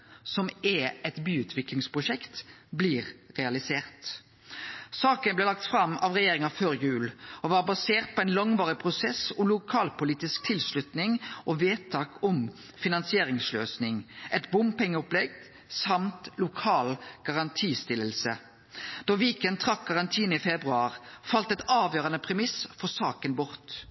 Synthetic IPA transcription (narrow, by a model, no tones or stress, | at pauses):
sɔmɛɛt̪byːʉːt̪ʰʋɪklɪŋspʁʊʃɛkt̪bliːʁʁɛɑlɪseːʁt̪ | sɑːkənblɛlɑk̚t̪fɾɑmɑʋʁɛjeːʁɪŋɑføːʁjʉːloʋɑːʁbɑseːʁt̪̚pʰɔɛnlɑŋʋɑːʁɪpʰʁʊsɛsɔmlʊkʰɑːlpʊliːt̪ɪsk̚t̪ʰɪlslʉt̪nɪŋʔoʋeːt̪ʰɑːkʰɔm | fɪnɑnsɪeːʁɪŋsløːsnɪŋʔɛt̪bʊmpɛŋːəɔplɛɡ̚d̪ | sɑmt̪lʊkʰɑːlɡ̥ɑʁɑnt̪ʰiːst̪ɪləlsə | d̪̥oːʋiːkənt̪ʰʁɑkʰːɑʁɑnt̪ʰiːnəiːfɛbʁʉɑːʁfɑlt̪ɛt̪ɑːʋjøːʁɑnəpʰʁɛmɪsfɔsɑːkənbʊʁt̪